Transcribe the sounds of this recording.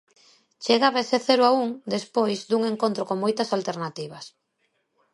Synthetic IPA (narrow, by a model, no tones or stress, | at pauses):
t͡ʃeɣaβeseθeɾʊauŋd̪espojzd̪uŋeŋkont̪ɾokoŋmojt̪ɐsalt̪eɾnat̪iβ̞ɐs